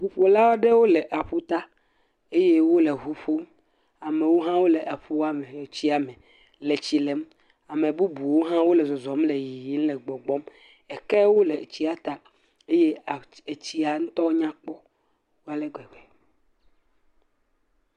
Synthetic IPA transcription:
ɦu˨ɸo˨la˦wɔ˦ɖe˦wo˦le˨ʔa˨ɸo˦t̪a˦ | e˦je˦wo˦le˨ɦu˨ɸo˦m | a˨me˨wo˦ɦã˦wo˦lɛ˨ʔa˨ɸo˦a˦mẽ˨jɔ˨t͡ɕi˦a˨mɛ̃˨ | le˨t͡ɕi˨le˨˦m | a˨mẽ˨bu˦bu˨wo˦ɦã˦wo˦lɛ˨zɔ˨zɔ˨˦mle˨ji˨ji˦n̩˦lɛ˨ɡ͡bɔ˨ɡ͡bɔ˦m | ɛ˨kɛ˦wo˦le˨t͡ɕi˦a˨t̪a˦ | e˦je˦˨e˨t͡ɕi˦a˨ŋũ˦t̪ɔ˦ɲã˦k͡pɔ˦ | wo˦a˨le˦ɡɛ˨wɛ˨

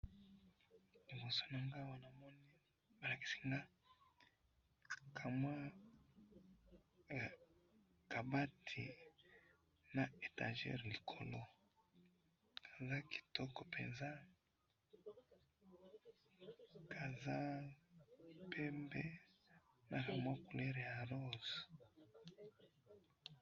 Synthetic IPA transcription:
li˨bo˨so̥˦na˨ŋɡa˦wa˦na˨mɔ˦ni˦ | ba˨la˨ki̥˦si̥˦ŋɡa˦ | kʰa˨ma˦˨ | ka˨ba˦tʰi˨ | na˨e˨ta̰˨ʒɛ̰˦ʁli˨kʰo˨lo˦ | kʰa˨za˦ki̥˨tɔ˦kɔ˨pʰɛ̰˨nza˦ | ka˨za˦ | pɛ˦mbɛ˦ | na˨ka˨mwa˦ku˨le˦ɾe˨ja˨lo˦˨z

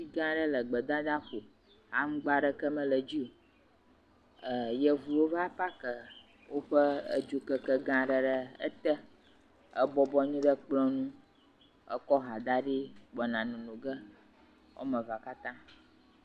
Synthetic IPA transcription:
si˦ɡã˦ɖə˦lə˨ɡ͡bə˨d̪a˦d̪a˦ɸo˨ | ha˦ŋ̩˦ɡ͡ba˦ɖə˦kə˦mə̃˦lə˨d͡ʑi˦o˨ | ə˨jə˦vu˨wo˦va˦pa˦kə˨ | wo˦ɸə˦ə̰˦d͡ʒo˨kə˨kə˦ɡã˦ɖə˨ɖə˨ə̰˦t̪ə˦ | ə˦bɔ˦bɔ˦ɲũ˦ɖə˦k͡plɔ̃˦nũ˦ | ə̰˦kɔ˦ɦa˨d̪a˦ɖi˦ɡ͡bɔ˨nã˨nũ˨nũ˨ɡə˦ | wʔo̰˦mə̃˨va˨ka˦t̪ã˦

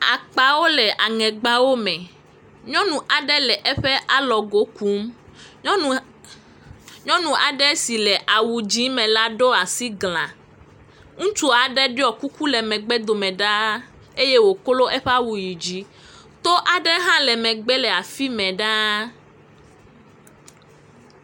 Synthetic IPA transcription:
a̰˨k͡pa˨wo˦lɛ˨ʔa˨ŋɛ̃˨ɡ͡ba˦wo˦mɛ̃˨ | ɲɔ̃˦nũ˨ʔa˨ɖɛ˦lɛ˨ʔɛ˦ɸɛ˦ʔa˨lɔ˨ɡo˦ku˨˦m˦ | ɲɔ̃˦nũ˨ʔa˨ɖɛ˦si˨lɛ˨ʔa˨wu˨d͡ʒĩ˨˦mɛ̃˨la˦ɖo˦a˨si˦ɡlã̰˨ | ŋũ˦t͡ʃu˦a˨ɖɛ˦ɖe˦ɔ˨ku˦ku˦lɛ˨mɛ̃˨ɡ͡bɛ˦d̪o˨mɛ̃˨ɖa˦ | e˦je˦wo˨ko˦lo˦ʔɛ˦ɸɛ˦a˦wu˨ji˨d͡ʑi˦ | t̪o˦ʔa˨ɖɛ˦ɦã˦lɛ˨mɛ̃˨ɡ͡bɛ˦lɛ˨a˨fi˦mɛ̃˨ɖa˦

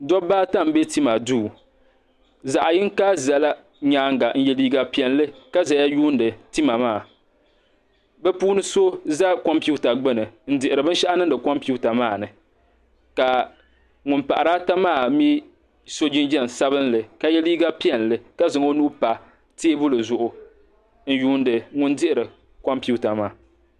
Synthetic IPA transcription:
dɔ˦baː˦ta˦˨m˦be˦ti˦ma˨duː˦˨ | za˨ʔa˨jɪ˦ŋ˦ka˦za˨la˦ | ɲaː˦ŋ˦ɡa˨n̩˦jɛ˦liː˦ɡa˦pi˦ɛ˨n˦lɨ˦ka˦za˨ja˦juː˦ndɨ˨ti˦ma˨maː˦˨ | bɛ˦puː˦nɨ˦so˦za˦ko˦mpi˦u˦ta˨ɡ͡bɨ˦nɨ˨n̩˦dɪ˨ʔɪ˨ɾɨ˨bɨ˦n˦ʃa˦ʔa˦nɨ˦dɨ˨kɔ˦mpi˦u˦ta˨maː˦˨nɨ˨ | ka˨ | ŋʊ˨mpa̰˨ʔa˨ɾaː˦ta˦maː˦˨mi˦ | so˦d͡ʒi˦nd͡ʒɛ˦˨n˨sa˦βɨ˦nlɨ˨ka˨jɛ˦liː˦ɡa˦pi˦ɛ˨n˨lɨ˦ka˦zɨ˨ŋo˦nu˦pa˨ | teː˦bʊ˦lɨ˨zʊ˨ʔʊ˨ | n̩˦juː˦n˦dɨ˨ŋʊ˦ndɪ˦ʔɪ˨ɾɨ˨ | kɔ˦mpi˦u˦ta˨maː˦˨

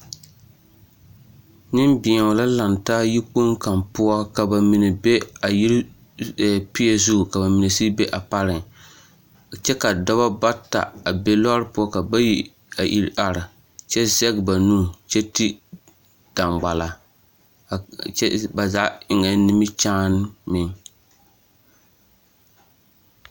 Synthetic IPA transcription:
nɪ˦mbɪ˨ɛ˨ʊ˨la˦la˨ntaː˦ji˦k͡po˦ŋka˨mpʊ˦a˦ka˨ba˨mi˨nɨ˨be˦a˨ji˦ɾ | pi˦ɛ˨zu˦˨ka˨ba˨mi˨nɛ˨si˦be˦ʔa˨pa˦ɾɪ˨ŋ | t͡ʃɛ˦ka˨dɔ˦ba˦ba˦ta̰˨a˨be˦lɔ˦ɾɨ˦pʊ˦ɔ˦ka˨ba˦ji˦ | a˨ʔi˨ɾʔa˨ɾɪ˨ | t͡ʃɛ˦zɛ˦ɡba˨nũ˦t͡ʃɛ˦ti˦ | d̥a˨mɡ͡ba˨la˨ | ɛ˦ba˨za˦ʔʔɪ˨ŋɛ˨nɪ˦mɪ˦t͡ʃaː˦n˦mɪ˦ŋ

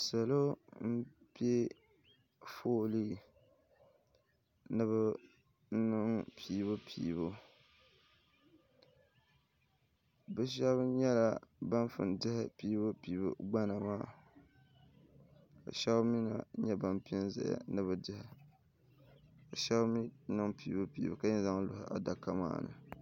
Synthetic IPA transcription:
sa˨lo˦m̩˦pe˦ | foː˦li˦ | nɨ˦βɨ˦ | n̩˦nɨ˦ŋpʰiː˨˦bʊ˦pʰḭː˨βʊ˦ | bɨ˦ʃ̬ɛ˦βɲɛ˦la˨ba˦n˦fɨ̰˨ndɪ˦hɪ˦piː˦bɨ˦pi˨˦bɨ̰˨ɡ͡ba˦na˨maː˦ | ka̰˨ʃɛ˦bmi˦na̰˨˦ɲɛ˦ba˦mpi˦ɛ˦n˦za̰˨ja̰˨nɨ˦βɨ˦dɨ˦hɪ˨ | ka˨ʃɛ˦bmi˦nɨ˦ŋpiː˨˦bɨ˦pḭː˨bɨ˨ka˦ɲɛ˦za˦ŋlʊ˨hɪ˦ʔa̰˨da˨ka˦ma̰ː˦˨nɨ̰˨

